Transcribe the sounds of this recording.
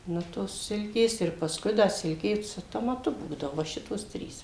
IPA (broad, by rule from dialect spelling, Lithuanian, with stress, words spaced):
ˈnʊ toːs ˈsʲɪlʲkʲeːs ɪr pɐsˈkʊɪ ˈdɐ ˈsʲɪlʲkʲeː sʊ toːmɐˈtʊ ˈbuːdɐʋoː ʋɐ ˈʃʲɪtoːs ˈtʲrʲiːs